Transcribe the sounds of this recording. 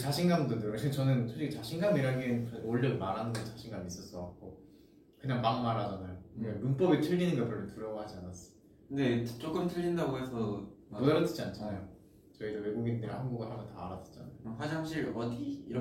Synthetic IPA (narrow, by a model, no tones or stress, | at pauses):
t͡ɕaɕʰiŋɡamdɯdojʌɭɕʰint͡ɕʌnɯnt͡ɕʰod͡ʑiɡit͡ɕaɕʰiŋɡamiɾaɡeent͡ɕʌoɭːʌɡimaɾɦanɯnɡʌt͡ɕaɕʰiŋɡamis͈ʌs͈ʌɡwak̚k͈o | kɯɲaŋmaŋmaɾad͡ʑanajoɯemunp͈ʌbitʰɯʎːinɯnɡʌpjʌmʌntuɾjʌɡahad͡ʑianas͈ʌ̥ | okɯndet͡ɕ͈ok͈ɯmtʰɯʎːindaɡoesʰʌbodaɾʌtʰɯ̥d͡ʑiant͡ɕʰanajo | t͡ɕʌidowe̞ɡuɡindeɾahanɡuɡahambʌntaːɾatʰɯ̥t͡ɕ͈a̰na̰joɦad͡ʑisaɕ̬ʰiɾʌdiːɾ